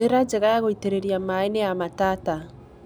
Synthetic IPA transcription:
eɾad͡ʒeɣajaɣoiteɾeɾiamaenejamataːta

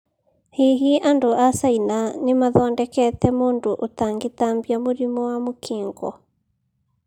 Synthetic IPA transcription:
heɦiʔandoʔasainanemaðɔndɛkɛt̪ɛmondoʔot̪aŋɡet̪ambjamoɾimɔwamokʰeːŋɡɔ̰

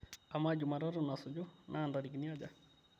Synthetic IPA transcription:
amad͡ʒumaɾaɾʊnasʊd͡ʒonʔandaɾikniad͡ʒa

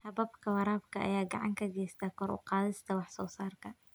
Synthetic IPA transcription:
hɐbɐbkʰɐwɑɾɑːbkʰɐʔɐ̰jaːɡɑ̰ʕɑŋkʰɐɡɛjst̪ʰaːkʰɔɾʊ̰qɑːðɪst̪ʰɐwɑħsɔːsaːrkʰɐ

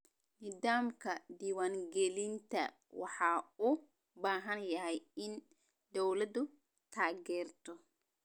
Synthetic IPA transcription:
nid̪aːmkɐd̪iwaːŋɡɛlint̪ɐ̰ | wɑħaːu | baːɦɐnjɐɦɛjɪn | d̪ɔwlɐd̪u | t̪ʰaːɡɛːrt̪ɔ

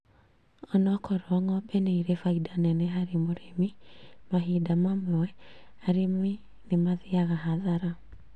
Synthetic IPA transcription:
ɔnɔkɔɾɔŋɔbɛneiɾefaidanɛnɛɦaɾimoɾemimaɦidamamɔɛaɾemi | nemaðiaɣaɦaðaɾa

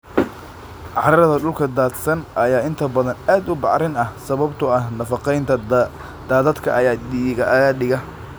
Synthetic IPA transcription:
ʕɑɾɐðɐɖʊlkʰɐd̪aːd̪sɐnʔɐjaːɪnt̪ʰɐbɐðɐnaːd̪ʊbɑʕɾɪnɐhsɐβɐbt̪ʰʊɐhnɐfɑqɛjnt̪ʰɐ | d̪̥aːðɐd̪kʰɐʔɐjaːdiɣɐʔɐɣɐɖɪɣɐ

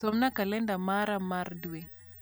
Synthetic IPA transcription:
ɔmnakalɛndamaɾamaɾdweŋ

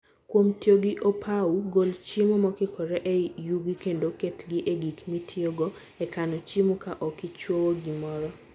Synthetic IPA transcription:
kwomtjoɡɪʔopʰauɡolt͡ʃimomɔkɪkʰɔɾɛʔejuɡɪkendoketɡɪʔeɡikmitʰioɡɔ | ɛkanɔt͡ʃimokaʔɔkɪt͡ʃwowoɡimɔɾɔ

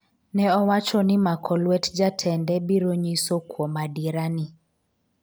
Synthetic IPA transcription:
nɛɔwat͡ʃɔnimakʰɔlwɛtd͡ʒatʰɛndɛbiɾoɲisokwɔmadiɾani

